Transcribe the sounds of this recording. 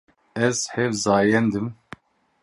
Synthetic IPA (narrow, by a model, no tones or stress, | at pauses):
ɛz̥hɛvzɑːjɛnd̪ɨm